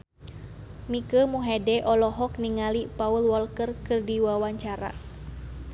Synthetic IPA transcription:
mikəmuɦɛdɛʔɔlɔɦɔk̚niŋalipaulwɔlkərkɨrdiwawaɲt͡ʃaɾa̰

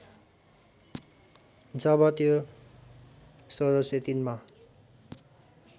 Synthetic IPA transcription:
d͡zʌbʌt̪jo | soɾʌset̪inma

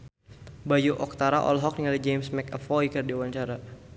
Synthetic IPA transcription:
bajuʔɔk̚t̪aɾaʔɔ̰lɦɔk̚niŋalid͡ʒemsmɛkəfɔikərdiwaɲt͡ʃaɾa

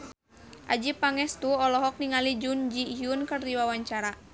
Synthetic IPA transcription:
ʔad͡ʒipaŋɛst̪uɔlɔɦɔk̚niŋalid͡ʒund͡ʒiɦiunkɨrdiwawaɲt͡ʃaɾa

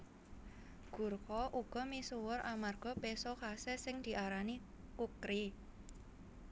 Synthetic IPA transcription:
ɡ̥ṳrkɔʔuɡ̥ɔ̤misuwʊrʔamarɡ̥ɔ̤pesɔkasɛsɪŋd̪̥i̤ʔaɾani | kukɾi

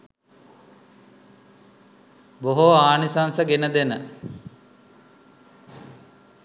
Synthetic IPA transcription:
boɦoaːnisansəɡenəd̪enə

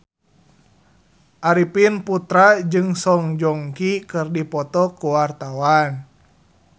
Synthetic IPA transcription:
ʔaɾipinput̪ɾad͡ʒɨŋsɔŋd͡ʒɔŋkikɨrdipɔt̪ɔkuwart̪awan

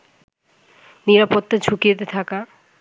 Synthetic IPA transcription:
niɾapot̪ːad͡ʑʰukiet̪et̪ʰaka

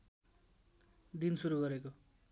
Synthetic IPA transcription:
d̪insuɾuɡʌɾeko

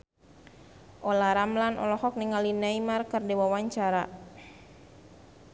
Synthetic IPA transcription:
ʔɔlaɾamlanɔ̰lɔhɔk̚niŋalinaimarkərdɛwawaɲt͡ʃaɾa

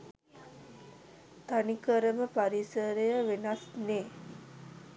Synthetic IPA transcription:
t̪anikəɾəməpaɾisəɾejəʋenasneː

